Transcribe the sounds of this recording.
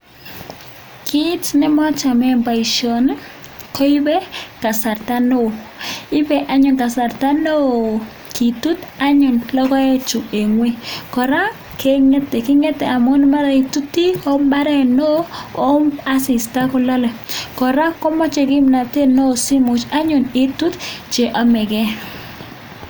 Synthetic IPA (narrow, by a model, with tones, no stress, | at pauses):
kɪ˦tnɪ˦mɔ˦t͡ʃa˨mɛ˦mba˨i˨ʃo˨n | kɔ˦ɪ˦bɛ˦ka˨sa˨ɾta˦no˦˨ɪ˦bɛ˦ʔa˨ɲɔ˨ka˨sa˨rta˦no˦ | ki˨tu˦ta˦ɲɔ˨nlɔ˦kɔ˦ɛ˦t͡ʃu˨e˨ŋwi˦kɔ˨ɾa˦ | ke˦ŋe˦te˨kɪ˦ŋe˦tɛ˨ʔa˨mo˦nma˦ɾa˦i˨tu˦ti˦o˦mba˦ɾɛ˦˨no˦o˦ma˦sɪ˨sta˦kɔ˦lɔ˦lɛ˨kɔ˨ɾa˦kɔ˦mɔ˦t͡ʃe˨ɡɪ˦mna˨te˦no˦˨si˦mʊ˨t͡ʃa˦ɲʊ˨nɪ˦tu˦tt͡ʃe˨ʔɔ˨mɛ˨ɡɛ˦